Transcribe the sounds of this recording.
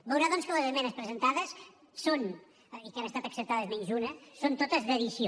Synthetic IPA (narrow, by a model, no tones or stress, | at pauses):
bəwɾaðɔnskələzəmɛnəspɾəzənt̪aðəs | son | ikanəst̪at̪əksəp̚t̪aðəzmɛɲzunəsont̪ot̪əzðəðisio